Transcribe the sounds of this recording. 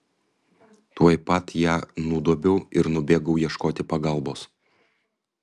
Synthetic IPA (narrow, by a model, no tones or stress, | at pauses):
t̪uɔjpɐt̪jæːnud̪uɔbʲɛʊɪɾnʊbʲeːɡɐʊjiɛʃkoːt̪ʲɪpɐɡɐlˠboːs